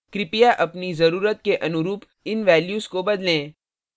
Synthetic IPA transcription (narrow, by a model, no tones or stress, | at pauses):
kɾɪpijaʔɐpnizɐɾuːɾət̪̚keʔɐnʊɾuːp | ɪnʋɛːljuːzkobɐd̪lẽː